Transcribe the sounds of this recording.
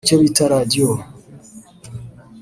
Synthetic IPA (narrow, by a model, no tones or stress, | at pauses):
t͡ʃoβitaɾadio